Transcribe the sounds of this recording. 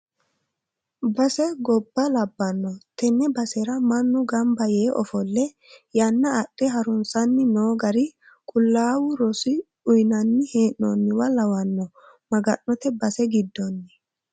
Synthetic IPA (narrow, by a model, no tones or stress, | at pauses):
bɐsɛɡɔbːɐlɐbːɐnːɔt̪ɛnːɛbɐsɛɾɐmɐnːʊɡɐmbɐjeːʔɔ̰fɔlːɛ | jɐnːɐːɗɛɦɐɾʊnsɐnːɪnoːɡɐɾɪ | kʼʊlːaːwʊɾɔsɪ | ʊjnɐnːɪheːnːo̰nːɪwɐlɐwɐnːɔ | mɐɡɐnːɔt̪ɛbɐsɛɡɪd̪ːɔnːɛ